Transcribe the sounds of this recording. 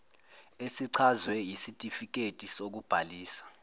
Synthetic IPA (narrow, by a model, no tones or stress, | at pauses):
esiǀʰazwɛjisitʼifik̬etʼisok̬ub̥ʱaliːsḁ